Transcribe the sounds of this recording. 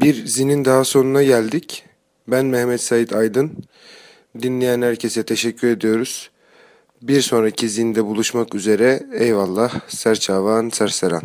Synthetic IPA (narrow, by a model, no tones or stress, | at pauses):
biɾzinind̪aɦaso̞nunaɟælʲd̪ic | bænmɛhmɛt̪sajit̪ʰajd̪ɯn | d̪inlʲejænhæɾcʰe̞sɛt̪ʰe̞ʃɛcʰːyɾe̞d̪ijo̞ɾuz̥ | biɾso̞nɾacʰizind̪ɛbulˠuʃmakyze̞ɾɛɛjvalˠːahsæɾt͡ʃʰaːvaːnsæɾsɛɾa̰n